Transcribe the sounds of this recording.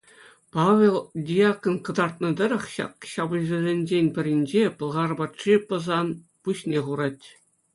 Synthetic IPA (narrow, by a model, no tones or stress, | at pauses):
pɑʋʲelˠdʲijɑkonkɤ̆d̪ɑrt̪̚nɤ̆d̪ɤ̆ɾɤ̆χɕɑ̰kɕɑbɤ̆zɘ̆zʲenʲd͡ʑenʲpʲɘ̆ɾʲɘ̆nʲd͡ʑepɤ̆lˠʁɑrbɑt̪ʂipɤ̆zɑn | puɕnʲeχuɾɑtʲ